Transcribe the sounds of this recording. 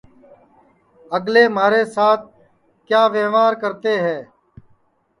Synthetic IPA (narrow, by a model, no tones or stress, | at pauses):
əɡleːmaːɾeːsaːt̪̚ʰ | kjaːʋeːʋaːɾkəɾt̪eːɦɛː